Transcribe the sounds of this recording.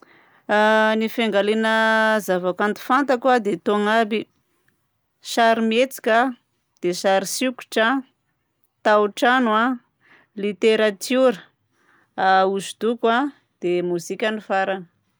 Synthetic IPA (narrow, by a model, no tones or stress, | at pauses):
anifaŋɡalenəzavakant̪u̥fant̪akwad̪et̪oŋabi | ʃaɾimet͡si̥kʲə | d̪̥eʃaɾisiku̥ʈ͡ʂa | t̪awʈ͡ʂanua | lit̪eɾat̪uɾə | auzud̪ukwa | d̪̥emuzikʲanifaɾanə̥